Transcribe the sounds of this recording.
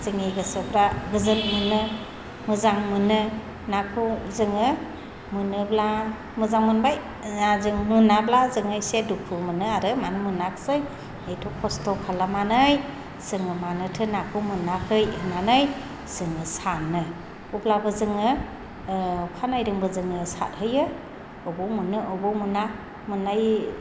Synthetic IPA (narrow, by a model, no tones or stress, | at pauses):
zɯŋiɡɯsɯbɾaɡɯzɯnmɯnɯ | mɯzaŋmɯnɯ | nakʰuzɯŋɯ | mɯnɯbla | mɯzaŋmɯnbaj | azɯŋmunablazɯŋɯjsedukʰɯmɯnɯaɾɯmanmɯnakʰsɯj | ejtʰɔkʰɔstʰɔkʰalamanɯj | sɯŋɯmanɯtʰɯnakʰumɯnakʰɯjɯnanɯj | sɯŋɯsanɯ | ublabɯzɯŋɯ | kʰanajɾɯŋbɯzɯŋɯsa̰t̚hɯjɯ | ɔbɔwmɯnɯʔɯbɔwmuna | mɯnaj